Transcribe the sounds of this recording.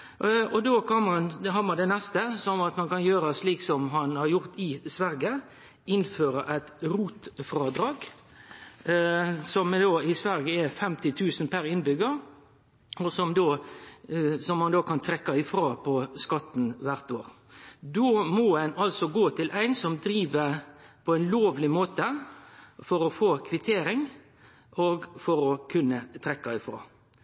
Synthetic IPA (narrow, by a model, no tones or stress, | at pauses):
ɔd̪oːkʰɑnmɑnɦɑmɑnd̪ɛnɛst̪əsɔmɑt̪mɑnkɑnjøːɾɑsliːksɔmɦɑnhɑɾjʊʁt̪ɪsʋæɾɡə | ɪnføːɾəʔæɪt̪ɾuːt̪fɾɑːd̪ɾɑːɡ | sɔmd̪oːɪsʋæɾɡəɛfɛmt̪ɪt̪ʰʉːsən̩pʰæɾɪnbʏɡəɾ | ɔsɔmd̪oː | sɔmːɑnd̪oːkɑnt̪ʰʁɛkːɑɪfɾɑːpʰɔskɑt̪n̩ʋæʁt̪oːɾ | d̪oːmɔːænɑlsɔɡoːt̪ʰɪlʔæɪnsɔmd̪ɾiːʋəpʰɔæɪnloːʋlɪmoːt̪ə | fɔɾɔfoːkʰʋɪt̪ʰeːɾɪŋ | oɡfɔɾɔkʰʉnːət̪ʰʁɛkːɑɪfʁɑ̰ː